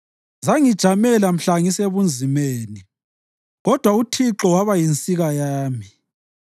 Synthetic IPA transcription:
zaŋid̥ʒ̥ʱamɛlam̩ɬaŋiseβund͡zʱimeːni | ɣɔd̥ʱwautʰiǁɔwaβajint͡sʼiɣajaːmi

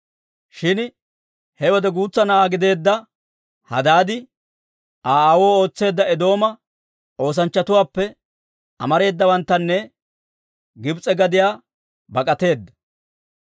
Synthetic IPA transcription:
ʃɪn | hɛwɔd̪ɛɡuːt͡sːɐnɐaːɡɪd̪e̞ːd̪ːɐ | hɐ̰d̪aːd̪ɪ | ʔaːwo̞ːo̞ːt͡sːe̞ːd̪ːɐɛd̪o̞ːmɐ | ʔo̞ːs̬ɐnt͡ʃːɐt̪ʊwaːpːɛ | ʔɐ̰mɐɾe̞ːd̪ːɐwɐnt̪ːɐnːɛ | ɡɪbt͡sʼːɛɡɐd̪ɪjaː | bɐkʼɐt̪e̞ːd̪ːɐ̥

